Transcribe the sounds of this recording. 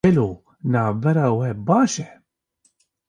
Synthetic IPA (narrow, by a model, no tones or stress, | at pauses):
ɛloː | nɑːvbɛɾɑːwɛbɑːʃɛ